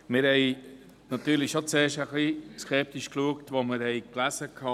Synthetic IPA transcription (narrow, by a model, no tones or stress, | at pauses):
mɪɾhɛɪ | nɑt̪yːɾlɪʃot͡seːʃəχliskɛp̚t̪iʃkluəktʋoməɾhɛɪklæsəkʰɑ